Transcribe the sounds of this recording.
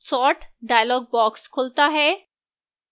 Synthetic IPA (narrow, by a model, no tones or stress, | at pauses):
sɔʈɖajlɔɡ̚bɔkskʰolt̪aɦe